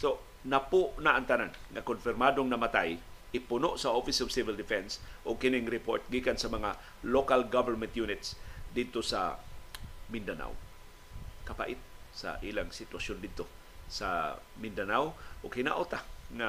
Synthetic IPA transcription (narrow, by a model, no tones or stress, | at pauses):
so | napʊʔnaʔaŋt̪ananŋakonfɪɾmad̪oŋnɐmat̪ajʔɪpʊnoʔsaʔofɪsovsɪvɪld̪ɪfɛnsʔʊɡ̚kɪnɪŋɾɪpoɹt̪̚ɡikansamɐŋa | lokalɡavɛɹmɛnt̪junɪt̪sd̪ɪd̪̚t̪osa̰ | mɪnd̪ana̰w | kapa̰ʔɪt̪̚sa̰ʔiːlaŋsɪt̪wasjond̪ɪd̪̚t̪o | sa̰ | mɪnd̪anawʔʊɡhɪna̰ʔot̪aŋa